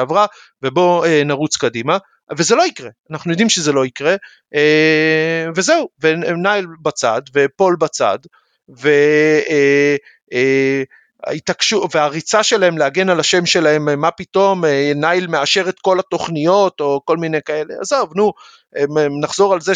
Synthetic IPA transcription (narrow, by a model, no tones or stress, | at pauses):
avʁa | ve̞bo̞enaʁut͡skadima | ve̞ze̞lo̞ikʁe̞anaχnujo̞d̪imʃezelo̞ikʁe̞ | e | ve̞ze̞uvenajlbat͡sa̰d̪ve̞po̞lbat͡sa̰d | ve̞ | a̰it̪akʃuveaʁit͡saʃelahemlehaɡe̞nalaʃe̞mʃe̞lahe̞mmːapit̪o̞menajlmeaʃe̞ʁet̪ko̞lat̪o̞χnijo̞t̪o̞ko̞lmine̞jkae̞lea̰zavnu | emnaχzo̞ʁalze